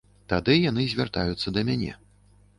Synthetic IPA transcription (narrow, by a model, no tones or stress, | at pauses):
t̪ad̪ɨjan̪ɨzʲvʲart̪a̰jut̪sːɐd̪ɐmʲanʲɛ̰